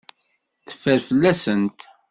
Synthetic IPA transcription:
θə̥fːəɾfəlːæsənt̪

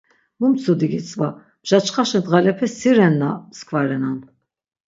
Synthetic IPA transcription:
mumt͡sʰud̪iɡit͡sʼva | mʒ̥at͡ʃχaʃɛnd̪ʁalɛpʰɛsiɾɛnːamskʰvaɾɛnan

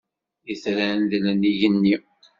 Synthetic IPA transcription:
iθɾænd̪lənijənːi

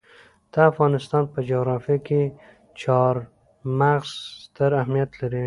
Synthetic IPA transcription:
t̪aafɣɑnɪst̪ɑnpəd͡ʒoɣɾɑfijake | t͡ʃɑɾ | maɣz̥t̪əɾahmijat̪laɾi

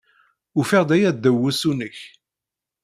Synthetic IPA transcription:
ʊfɪʁd̪æjæd̪ːəwːusunəç

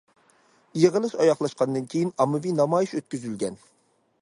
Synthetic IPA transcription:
ijɪʁəlˠɨʃɑjɑχlˠɑʃqɑnd̪ɨnkʲʰejinɑmːɨvinɑmɑːjiʃøt̪̚kʲyzylɡʲɛn

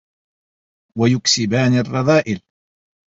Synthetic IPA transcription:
wajʊksɪbaːnɪrˤːɑðˤɑːʔɪl

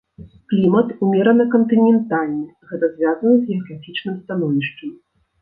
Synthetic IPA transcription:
klʲimɐt̪umʲɛɾɐnɨkɐnt̪ɨnʲɛnt̪alʲnɨɣɛt̪ɐzʲvʲazɐnɨzʲɣʲɛɐɣɾafʲit͡ʂnɨmst̪anɔvʲiʂt͡ʂɐm

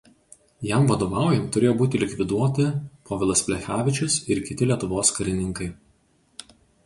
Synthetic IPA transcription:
jɛmʋɐd̪oːʋɑˑʊjɛmt̪ʊɾʲeːjoːbuːt̪ʲɪlʲɪkʲʋʲɪd̪uɔt̪ʲɪpʰoːʋʲɪlˠɐsʲpʲlʲɛxʲæːʋʲɪt͡ʃʲʊsɪɾkʲɪt̪ʲɪlʲiɛt̪ʊʋoːskɐɾʲɪnʲɪŋkɐɪ

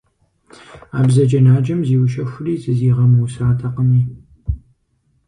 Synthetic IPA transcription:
aːbzɐd͡ʒɐnaːd͡ʒɐmziːwʊʃɐxʷʊriːzɨziːʁɐmusaːtʰɐqəmiː

